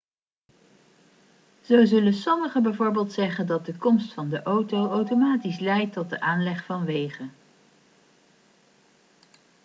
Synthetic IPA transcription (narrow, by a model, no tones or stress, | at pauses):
z̥owzɵlənsɔməχəbɛjvoːɹbeːlˠtsɛχəndɑt̚dəkɔmstfɑndəʔowtowawtomaːtislɛjtːɔt̚dəʔaːnlɛχfɑnʋejχə